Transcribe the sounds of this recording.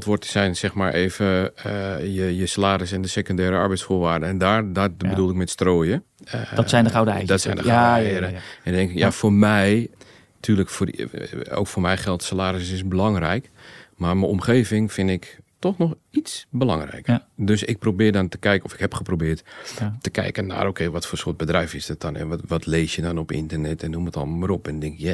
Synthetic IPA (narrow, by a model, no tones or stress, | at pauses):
lˠtʋʊrtsɛjnsɛxmaːɹʔeːvə | jəjəsalaːɾɪs̬ɛndəsekondɛːɾəaɹbɛjtsfoːʋaːrdəɛndaːdabədulˠɪk̚mɛtstroːjə | dsɛjndəawddɔtsɛjndəaɛɾəɛndɛŋkɪkjafoɹmɛj | tʰyːləkforo̰wkfʊːrmɛjχɛlˠtsalaːɾɪsɪsbəlɑŋrɛ̰jk | marməomχeːvɪŋfɪnɪktɔxnɔxitsbəlaŋrɛ̰jkərdøsɪk̚probɪːdɔntə̥kɛjkɔfɪ̥khɛpχəprobɪːttəkɛ̰jkənːa̰ːroːkʰejʋɔtfoːsoət̚bədrɛjfɪsdɔt̚dɔnɛ̰nʋɔtʰleːsjədɔnɔpɪ̰ntərnɛtɛnːumətɔ̰lˠməɾɔpɛndɪŋkɪkja